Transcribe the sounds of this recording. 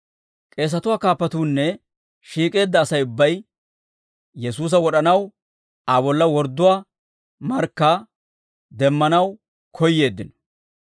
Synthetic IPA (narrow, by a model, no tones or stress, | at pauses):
kʼe̞ːs̬ɐt̪ʊwaːkaːpːɐt̪uːnːɛ | ʃiːkʼe̞ːd̪ːɐːsɐjʊbːɐj | jɛsuːs̬ɐwɔɗɐnɐw | abɔlːɐwɔɾd̪ːʊwaː | mɐɾkːa | d̪ɛmːɐnɐw | kʰɔjːe̞ːd̪ːɪnɔ